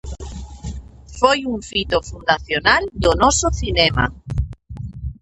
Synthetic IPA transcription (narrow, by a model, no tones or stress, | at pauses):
fojuɱfit̪ofund̪aθjonald̪onɔsoθinema̰